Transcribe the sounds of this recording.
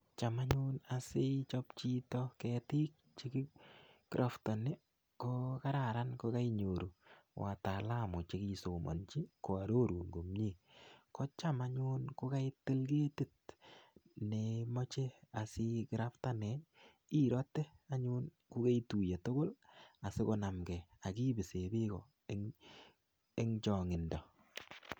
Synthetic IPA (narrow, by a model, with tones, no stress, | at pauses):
t͡ʃa˨ma˦ɲʊna˨sɪ˦t͡ʃɔ˦pt͡ʃi˦tɔ˦kɛtɪ˦k̚t͡ʃi˦ki˦kɾʔa˨fta˨ne˦ | ko˦ka˦ɾa˨ɾa˦nko˧ka˦iɲo˨ɾo˨wʔa̰˨ta˨la˦˨mʊ˨t͡ʃe˨ki˦so˨mɔ̰˨nt͡ʃi˦ko˨a˨ɾo˦ɾu˨ŋɡo˨mɲi˦˨kɔ˦t͡ʃa˦ma˨ɲʊ˦nko˦ka˦ɪ˦te˦lɡe˦te˦t̚ | ne˨mɔ˦t͡ʃe˦a˨sɪ˦kɪ˦ɾa˦fta˦nɛ˨ | i˦ɾɔ˦te˦a˦ɲʊ˦n | kʊ˦ke˦itu˨je˨to˦ko˦la˨sɪ˦ko˨na˨mɡɛ˨a˨ki˦bɪ˨se˨bɪ˦kɔ˨ | e˦ | e˦ŋt͡ʃɔ˨ŋɪ˨ndɔ˨